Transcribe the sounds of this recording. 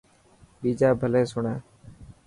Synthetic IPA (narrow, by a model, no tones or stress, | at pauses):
ɓiːd͡ʒaːbʱəleːsʊɳãː